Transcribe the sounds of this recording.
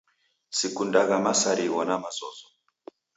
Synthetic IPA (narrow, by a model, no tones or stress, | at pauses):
sikundaɣamasaɾiwɔnamazɔzɔ